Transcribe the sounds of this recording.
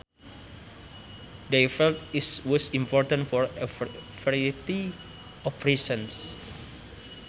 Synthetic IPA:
defɛlt̪iswɔsimpɔrt̪ãnfɔrəfɛɾiit̪i | ɔfɾesə̃ns

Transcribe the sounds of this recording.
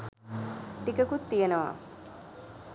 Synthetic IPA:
ʈikəkut̪ːijenəʋa̰

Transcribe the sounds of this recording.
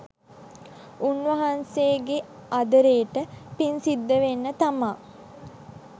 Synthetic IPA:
unʋɐɦanseːɡe | ad̪əɾeːəʈəpinsid̪ːəʋenːət̪amaː

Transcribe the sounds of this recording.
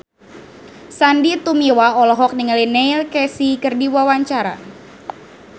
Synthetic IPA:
sandit̪umiwaɔlɔɦɔk̚niŋəlinɛilkɛsikɨrdiwawaɲt͡ʃaɾa̰

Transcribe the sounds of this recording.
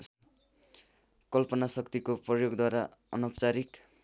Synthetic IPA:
kʌlpʌnasʌkt̪ikoprʌjoɡd̪waɾaʌnʌpt͡saɾik

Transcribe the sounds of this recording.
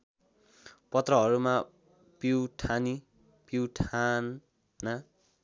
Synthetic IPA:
pʌt̪rʌɦʌɾuma | piwʈʰani | piwʈʰanː | ʌ

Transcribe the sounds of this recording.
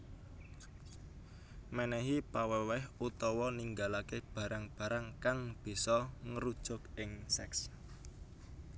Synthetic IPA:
mɛnɛɦipawɛwɛhut̪ɔwɔniŋɡalakeb̥ä̤ɾʔaŋb̥ä̤ɾaŋkaŋb̥i̤sɔŋəɾud̥ʒ̥ʊ̤kɪŋsɛks

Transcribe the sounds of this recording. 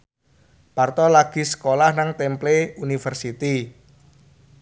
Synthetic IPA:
part̪ɔlaɡ̥i̤sə̥kolahnaŋt̪ɛmpleunifərsit̪i

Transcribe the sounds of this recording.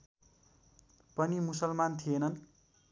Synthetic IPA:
pʌnimusʌlmant̪ʰienʌn

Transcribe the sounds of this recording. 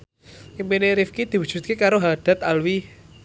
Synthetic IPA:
impineɾifkid̪̥i̤wu̥ʒ̥ṳt̪̚kekaɾoɦaɖ̥a̤t̪alwi

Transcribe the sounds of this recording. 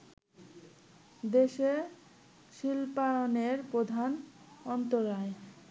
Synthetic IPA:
d̪eʃe | ʃilpaɾoneɾpɾod̪ʱan | ɔnt̪oɾae

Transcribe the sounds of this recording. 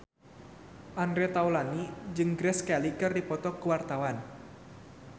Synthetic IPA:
ʔandɾɛt̪awlanid͡ʒɨŋɡɾɛskalikɨrdipɔt̪ɔkəwart̪awan

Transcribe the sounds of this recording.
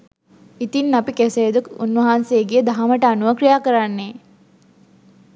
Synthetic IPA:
it̪inːapikɛseːd̪ukunʋɐɦansejeɡijəd̪aɦaməʈəanuʋəkɾijaːkəɾanːe

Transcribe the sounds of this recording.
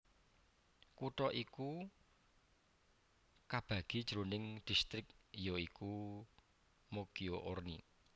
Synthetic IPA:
kuʈɔʔiku | kab̥ä̤ɡ̥i̤d̥ʒ̥ɾonɪŋd̪̥i̤st̪ɾɪk̚joiku | mokioʔornḭ

